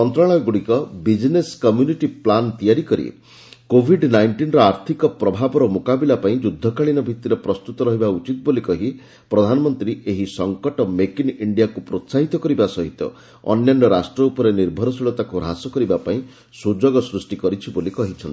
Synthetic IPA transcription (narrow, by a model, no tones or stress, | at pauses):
mɔnt̪ɾaɭ̃ɔɡuɽikɔbid͡ʒneskɔmjuniʈiplant̪ijaɾikɔɾḭ | kobʱiɖnajɳʈinɾɔaɾt̪ʰikɔpɾɔbʱabɔɾɔmokabilapaĩd͡ʒud̪ʱːɔkaɭinɔbʱit̪ːiɾepɾɔst̪ut̪ɔɾɔɦibaut͡ʃit̪̚bolikɔɦi | pɾɔd̪ʱanɔmɔnt̪ɾiʔeɦisɔŋkɔʈɔmekiniɳɖijakupɾot̪saɦit̪ɔkɔɾibasɔɦit̪ɔ̰ | ɔ̰njanːɔɾasʈɾɔupɔɾeniɾbʱɔɾɔsiɭɔt̪akuɾɦasɔkɔɾibapaĩ | sud͡ʒoɡɔsɾusʈikɔɾit͡ʃʰibolikɔɦit͡ʃʰɔni